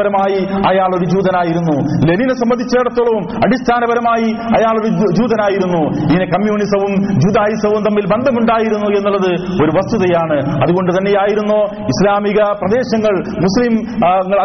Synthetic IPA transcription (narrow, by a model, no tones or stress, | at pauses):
ɐɾɐmaːjiɐjaːɭo̞ɾud͡ʑuːðɐnaːjiɾunːuleninesɐmbɐnd̪ʱit͡ɕːe̞ːɽɐt̪ːoɭːɐʋumɐɽist̪ʰaːnɐbɐɾɐmaːjiɐjaːɭo̞ɾud͡ʑuːðɐnaːjiɾunːuiŋːɐnekɐmjuːnisɐʋumd͡ʑuːd̪aːjisɐʋumt̪ɐmːilbend̪ʱɐmuɳɖaːjiɾunːue̞nːulːɐðɨ | o̞ɾuʋɐst̪uðɐjaːɳɨɐðuɣo̞ɳɖɨt̪ɐnːe̞jaːjiɾunːoː | islaːmiɣɐprɐd̪e̞ːɕɐŋːɐɭ | muslimŋːɐɭɐ